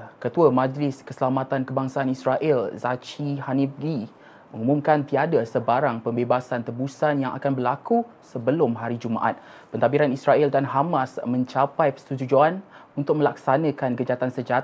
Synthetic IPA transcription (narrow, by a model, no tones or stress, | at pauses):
kət̪uamãd͡ʒlɪskəsəlamat̪ankəbaŋsaːnisɾaʔɪlzat͡ʃihanifɡi | məŋumũmkant̪iadasəbaɾaŋpəmbebasant̪əbusanjaŋa̰kanbərlaku | səbəlʊmɦaɾid͡ʒuma̰ʔa̰t̪̚ | pənt̪abiɾanisɾaʔildanɦamasmə̃ɲt͡ʃapajpə̥st̪ut̪ud͡ʒuanunt̪ʊk̚mə̃lak̚sanə̃kanɡəd͡ʒat̪ansəd͡ʒa